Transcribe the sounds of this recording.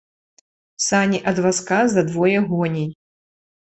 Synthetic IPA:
sanʲiʔɐd̪vaskazɐd̪vɔjɛɣɔnʲɛj

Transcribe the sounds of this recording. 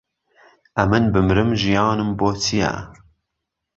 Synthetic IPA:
ʔɐmɨnbɨmɾɨmʒijɑːnɨmboːtʰija̰

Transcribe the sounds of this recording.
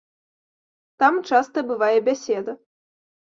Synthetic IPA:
t̪amt͡ʂast̪ɐbɨvajɛbʲasʲɛd̪ɐ

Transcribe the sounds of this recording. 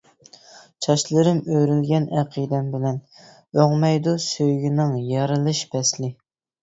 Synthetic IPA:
t͡ʃʰɑʃlˠɨɾɨmøɾylɡʲɛnæqʰijd̪ɛmbɪlɛn | øʁmɛjd̪usøjɡʲinɪŋjɑɾɨlˠɨʃbɛslɪ

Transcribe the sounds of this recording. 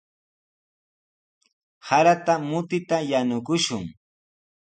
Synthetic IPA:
haɾat̪amʊt̪ɪt̪ajanʊkʊʃʊŋ

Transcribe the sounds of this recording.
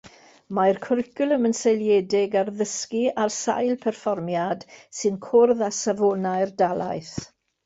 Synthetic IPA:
majrkʰʊrɪkʊlˠəmənsejljɛdɪɡarðəskiarsa̰jlˠpʰɛrfɔrmjad̥sɨnkʰʊrðasavɔnaɨrdalˠa̰jθ

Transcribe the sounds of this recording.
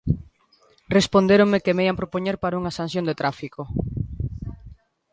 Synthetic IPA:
respond̪eɾoŋmekemeiampɾopoɲeɾpaɾauŋɐasan̟θjond̪et̪ɾafiko

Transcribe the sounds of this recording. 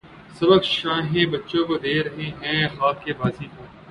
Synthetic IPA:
sɐbəkʃãːɦẽːbɐtːʃõːkod̪eːɾɐɦẽːɦɛ̃ːxaːkːeːbaːzĩːpoː

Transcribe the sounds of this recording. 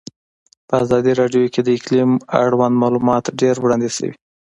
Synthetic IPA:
pəazɑd̪iɾɑɖjoked̪əɪklima̰ɽwand̪mɑlumɑt̪ɖeɾwɽɑnd̪isə̰wḭ

